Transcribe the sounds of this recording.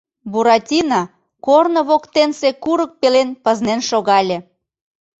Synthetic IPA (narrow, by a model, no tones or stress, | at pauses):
buɾɑtʲinɑ | kornoβokt̪ensekuɾək̚pelenpəznenʃoɣɑlʲe